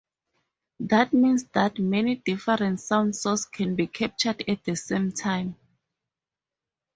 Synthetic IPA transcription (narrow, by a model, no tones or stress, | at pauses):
ðat̚mĩnsdatmɛnidifɛɹɛ̃ntsãw̃ndsɔskʰɛ̃nbikʰɛp̚t͡ʃadɛt̚d̪əsẽmtʰãj̃m